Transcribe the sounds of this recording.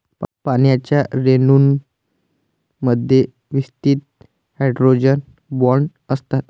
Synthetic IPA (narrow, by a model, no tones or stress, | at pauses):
panjat͡ɕjaɾenuːn | məd̪ʱje | ʋist̪iːt̪̚ | haɖɾod͡ʑən | bɔɾɳ | əst̪at̪